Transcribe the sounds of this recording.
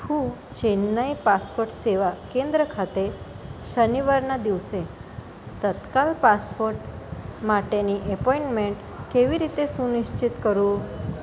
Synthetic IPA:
hũ | t͡ɕenːəjpaspoɾʈseʋakẽnd̪ɾəkʰat̪e | ʃəniʋaɾnad̪iʋsẽ | t̪ət̪kalpaspoɾʈ | maʈeniʔəpɔiɳʈmeɳʈ | keʋiɾit̪esuniʃt͡ɕit̪kəɾũː

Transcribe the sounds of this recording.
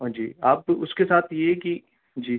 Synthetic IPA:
od͡ʒḭːaːpʊskesaːt̪ʰjeki | d͡ʒiː

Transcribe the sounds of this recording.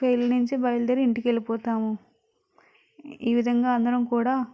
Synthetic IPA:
pɐjlɐnuɲt͡ʃibɐjld̪ɐɾiiɳʈikelipɔːt̪aːmu | iːʋid̪ʱɐŋɡaːɐnd̪ɐɾɐmkuːɽaː

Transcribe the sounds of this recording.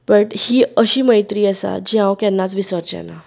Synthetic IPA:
bəʈhiːəɕiːməjt̪ɾiːəsa̰d͡ʑiɦãwkjɛnːat͡sʋisəɾt͡ɕa̰na

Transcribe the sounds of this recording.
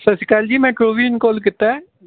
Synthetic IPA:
sɐsɪkaːld͡ʒiːmɛ̃ʈɾoːʋiɪnkoːlkɪt̪ːaɦɛː

